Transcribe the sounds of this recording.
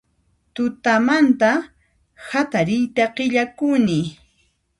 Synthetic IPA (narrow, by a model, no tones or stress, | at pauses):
t̪ʊt̪amant̪a | hat̪aɾɪjt̪aqɪʎakʊnɪ